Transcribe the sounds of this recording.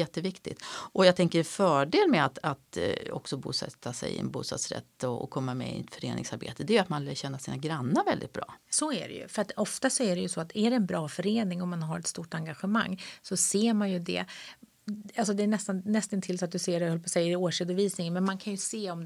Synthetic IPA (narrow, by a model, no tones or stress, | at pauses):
jɛt̪ːəvɪkt̪ɪ̰t̪ʔɔjɑɡt̪ʰɛŋkəɾfœːɖeːlmɛat̪at̪ɔ̰ksɔbuːsɛ̰t̪ʰːasɛ̰jɪ̰ɛ̰nbṵːst̪ɑ̰ːd̪sɾɛ̰t̪ːɔɔ̰kʰɔmːamɛ̰ɪ̰t̪fœɾeːnʔɪ̰ŋsaɾbḛːt̪əd̪ɛɾjʉat̪manlɛɕɛnːasiːnaɡɾanːəɾvɛld̪ɪ̰t̪̚bɾɑ̰ːsɔæ̰ɖɛ̰jɵ̰fœɾat̪ɔft̪asɔæɖɛjɵsɔat̪ʰæɖɛɛnbɾɑːfœɾeːnɪŋɔmːanɦaɾɛt̪st̪uːʈaŋɡaɧɛma̰ŋːsɔseːɾmanjɵd̪ɛ̰ | alsɔd̪ɛːɳɛst̪anːɛst̪ənt̪ʰɪlsɔat̪̚d̪ɵseːɾɛœlːəpʰɔsɛjːəɾoːʂeːd̪ɔviːsnɪŋənmɛnmankʰanjɵseːɔm